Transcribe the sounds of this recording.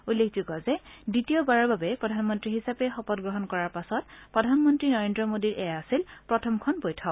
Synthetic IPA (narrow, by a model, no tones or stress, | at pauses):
ulːekʰzuɡɔzɛditijɔbaɹɔɹbabɛpɹɔdʱanmɔntɹiɦisapɛxɔpɔtɡɹɔɦɔnkɔɹaɹpasɔt̚pɹɔdʱanmɔntɹinɔɹendɹɔmodiɹʔɛjaasilpɹɔtʰɔmkʰɔnbojtʰɔ